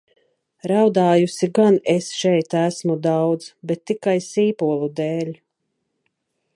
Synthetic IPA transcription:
ɾawd̪aːjusiɡanesʃɛjt̪æsmud̪awd̪zbɛt̪ːikajsiːpuɔlˠud̪ɛːl

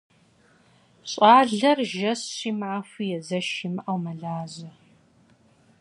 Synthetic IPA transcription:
ɕʼaːɮɐrʒɐsɕiːmʕafʷijɛzɐʃimʔɐwmɐɮaːzɐ

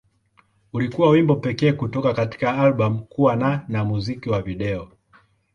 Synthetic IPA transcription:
ulikuwawimbɔpɛkɛːkutɔkakati̥kaalɓam̩kuwananamuzikiwaviɗɛɔ

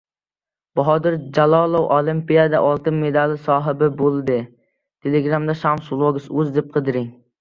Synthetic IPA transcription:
b̥ɑɦɒd̪ɪɾd͡ʒalˠɒlˠowʔolˠimpijad̪aʔɒlˠt̪ɪnme̞d̪alɪsɒːɦɪbɪbolˠd̪ɪ | t̪ʰeleɡɾamd̪aʃamslˠoɡʊsɵzd̪ɪp̚qʰɨd̪ɪɾɪŋ

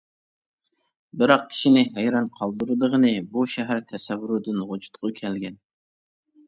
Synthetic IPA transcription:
bɪɾɑq̚kʲʰi̥ʃinɪɦɛjɾɑnqʰɑlˠd̪uɾɨd̪əʁənɨbuʃɛɦæɾt̪ʰɛsɛvːuɾud̪ɨnʁot͡ʃʰu̥t̪qʰʊkʲʰælɡʲɛn

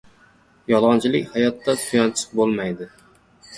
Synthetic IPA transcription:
jɒlˠʁɒnt͡ʃʰɪlɪ̰kʲhajɒt̪ːat̪ʰʊjɒnt͡ʃʰɪ̥q̚bolˠmajd̪ɪ

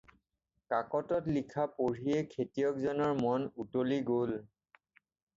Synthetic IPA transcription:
kakɔtɔtlikʰapoɹiekʰetijɔkzɔnɔɹmɔnutoliɡol

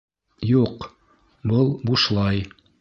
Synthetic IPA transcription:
juq | bɤlˠbuʃlˠɑj

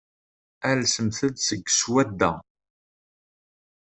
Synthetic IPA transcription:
ælsəmθəd̪səɡːswæd̪ːæ̰

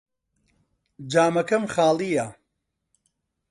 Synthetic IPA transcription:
d͡ʒaːmɐkɐmxaːlˠija

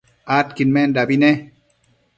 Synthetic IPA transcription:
aːt̪̚kinmendabine

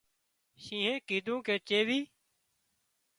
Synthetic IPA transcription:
ʃĩːɦẽːkiːd̪ũːkeːt͡ʃeːʋiː

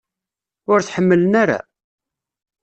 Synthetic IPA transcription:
ʊɾθħəmːələnaɾa̰

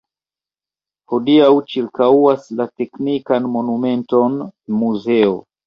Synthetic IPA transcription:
hodiawt͡ʃiɾkauaslate̞knikanmo̞nume̞nto̞nmuze̞o̰

